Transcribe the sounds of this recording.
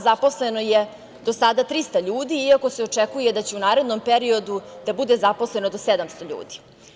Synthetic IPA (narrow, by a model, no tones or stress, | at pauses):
zapo̞sleno̞je | d̪o̞sad̪at̪ɾist̪aʎuːd̪iiako̞se̞ot͡ʂekuje̞d̪at͡ɕeunaːɾe̞d̪no̞mpeɾio̞d̪ud̪̥abud̪e̞zaposle̞nod̪osed̪amst̪o̞ʎṵːd̪i̥